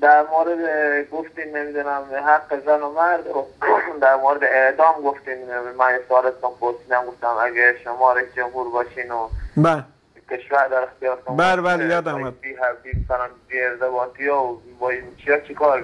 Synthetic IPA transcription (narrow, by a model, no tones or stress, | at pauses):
d̪æɾmoːɾed̪eɡoft̪imnemiːd̪unæmɦæqːezænomæɾd̪od̪æɾmoːɾed̪eeʔd̪ɒːmɡoft̪iːmmænjesoɒːlest̪unpʰoɾsiːd̪æmɡoft̪æmæɡeʃomɒːɾed͡ʒomɦuɾbɒːʃiːnobæle | kʰeʃvæɾd̪æɾext̪ijɒːɾt̪ʰũmbælebælejɒːd̪amæd̪biːɦæviːmæsælænbiːeɾt̪ebɒːt̪ʰijɔbɒːimt͡ʃʰijɒːt͡ʃʰikʰɒːɾ